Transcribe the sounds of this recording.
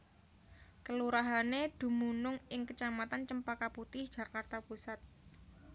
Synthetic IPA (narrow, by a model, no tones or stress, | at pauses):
kəluɾaɦaned̪̥ṳmunʊŋɪŋkət͡ʃamat̪ant͡ʃəmpakaput̪ɪhd̥ʒ̥a̤kart̪apusat̪̚